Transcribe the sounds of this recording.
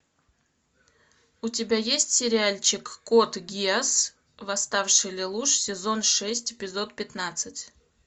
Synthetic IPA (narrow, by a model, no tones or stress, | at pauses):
ʊtʲɪbʲajesʲtʲsʲɪɾʲɪalʲt͡ɕɪkːot̪ɡʲias | vɐst̪afʂɨjlʲɪlˠuʂsʲɪzo̞nʂɛsʲtʲɪpʲɪzo̞t̪pʲɪt̪nat̪sɨtʲ